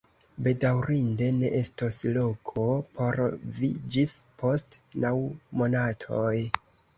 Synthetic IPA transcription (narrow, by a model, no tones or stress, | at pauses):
be̞dawɾinde̞ne̞ʔe̞stoslo̞kʰo̞pʰo̞ɾvid͡ʒispo̞stnawmo̞natʰo̞j